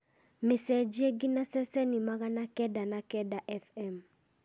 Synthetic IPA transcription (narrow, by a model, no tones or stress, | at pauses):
mɪsɛd͡ʒieɡinasɛsɛnimaɣanakɛdanakɛdaʔɛfɛm